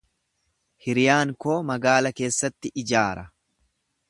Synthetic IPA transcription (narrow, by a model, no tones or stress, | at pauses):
hɪɾɪjaːŋkoːmɐɡaːlɐke̞ːsːɐt̪ːɪʔɪd͡ʒaːɾɐ